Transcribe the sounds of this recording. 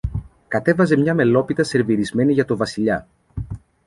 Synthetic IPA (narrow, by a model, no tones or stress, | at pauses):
kɐt̪e̞vɐze̞mɲɐme̞lo̞pit̪ɐse̞ɾviɾizme̞niʝɐt̪o̞vɐsiʎɐ